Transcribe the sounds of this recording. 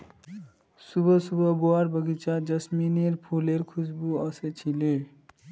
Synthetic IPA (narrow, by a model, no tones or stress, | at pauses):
subʱəsubʱʌboaɾbəɡit͡ʃʰad͡ʒʌsmineɾpʰuleɾkʰusbuʌset͡ʃʰile